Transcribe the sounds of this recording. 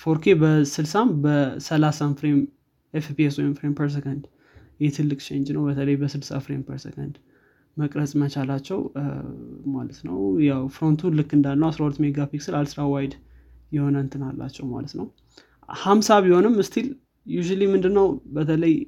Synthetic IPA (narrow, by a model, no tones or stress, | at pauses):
fo̞ɾkʰe̞bəsɨlsambəsəlasanfɾem | efpieswɔjmfɾempʰəɾs̬ekənd̪ | jɛt̪ʰɨlːɨkʼt͡ʃʰend͡ʒnəwbət̪ʰələjbəsɨlsa̰fɾempʰəɾsḛkʰə̰nd̪ | məkʼɾət͡sʼmət͡ʃalat͡ʃːɛw | malət̪nəwjawfɾo̞nt̪ʰulɨkːɨnd̪alːəwasɾahulət̪ːmeɡapiksɨlalsɨɾawajd̪ | jɛho̞nənt̪ʰɨnalːa̰t͡ʃːɛwma̰lət̪nəw | hamsaβiho̞nɨmɨst̪ʰil | juʒulimɨnd̪ɨnːəwbət̪ʰələj